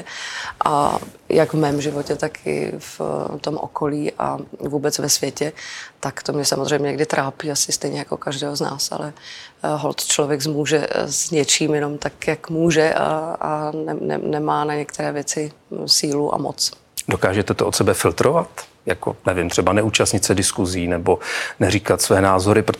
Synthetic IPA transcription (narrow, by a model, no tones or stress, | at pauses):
ʔa̰ | jaɡvmɛːmʒɪvocɛt̪akʰɪ̰ft̪o̞mʔo̰ko̞liːʔa̰vuːbɛt͡svɛsvjɛcɛt̪akt̪o̞mɲɛsamozr̝ɛjmɲɛɲɛɡdɪt̪ɾʔaːpiːasɪst̪ɛjɲɛjako̰kaʒdɛːɦozna̰ːsa̰lɛɦo̰lt̪t͡ʃlovjɛɡzmuːʒɛzɲɛt͡ʃiːmjɛno̞mt̪akjakmuːʒɛʔaanɛ̰ɛ̰nɛmaːnaɲɛkt̪ʰɛɾɛːvjɛt͡sɪsiːluʔa̰mo̰t͡s | dokaːʒɛt̪ɛt̪oʔot̪sɛbɛfɪlt̪ɾovat̪ | jako̰nɛvɪmt̪r̥ɛbanɛʔuːt͡ʃast̪ɲɪt̪sɛdɪskuziːnɛbonɛɾiːkat̪svɛːnaːzo̞ɾɪpɾo